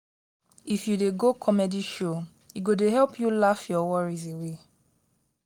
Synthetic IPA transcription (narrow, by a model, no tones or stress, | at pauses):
ifjudeɡokʰɔmɛdiʃo | iɡodeɦɛlpʰjulafjɔwɔɹizewe